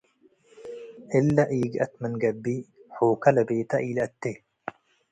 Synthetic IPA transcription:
ʔɪlːɐʔiːɡɐ̰t̪mənɡɐbːiːħoːkɐlɐbeːt̪ɐʔiːlɐɐt̪ːe

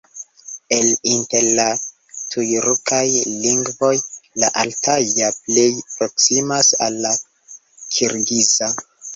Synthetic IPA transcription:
e̞linte̞ɾla | tʰujɾukajliŋɡvo̞jlaʔaltʰajaplejpɾo̞ksimasa̰lːa | kʰiɾɡiza

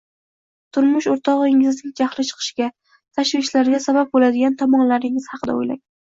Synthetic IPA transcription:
t̪ʰʊɾmʊʃoɾt̪ʰɒʁɨŋɪznɪŋd͡ʒahlɪt͡ʃʰɨ̥qʰɨ̥ʃɡʲa | t̪ʰaʃvɪʃlaɾɡʲasabap̚bolad̪ɪɡʲant̪ʰɒmɒnlaɾɪŋɪz̥hɑqʰɨd̪a̰o̰jla̰ŋ

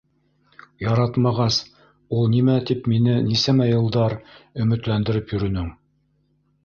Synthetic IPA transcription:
jɑɾɑt̪mɑʁɑs | ulˠnimæt̪ipminɘnisæmæjɤ̆lˠd̪ɑɾɵ̆mɘ̆t̪lænd̪ɘ̆ɾɘpjɵ̆ɾɵ̆nɵŋ

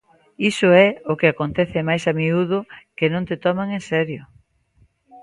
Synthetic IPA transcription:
isʊɛʊkeakont̪ɛθemajsamiuðʊkenõnt̪et̪ɔmaŋẽnsɛɾjʊ

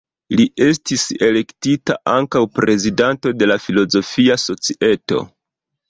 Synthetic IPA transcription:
liʔe̞s̬tise̞le̞ktita̰ʔaŋkawpɾʔe̞zidanto̞de̞lafilo̞zo̞fiaso̞t͡siʔe̞to̞̰

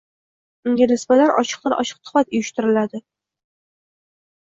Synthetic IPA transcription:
ɪŋɡʲɪnɪsbat̪aɾʔɒ̰t͡ʃɨ̥q̚t̪aɾʔɒ̰ʃɨ̥q̚t̪ʰʊ̥at̪ʊjɪʃt̪ɪɾɪlad̪ɪ

